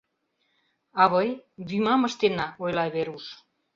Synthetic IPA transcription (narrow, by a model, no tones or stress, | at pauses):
aβojβimamast̪enːaoelaeβeɾus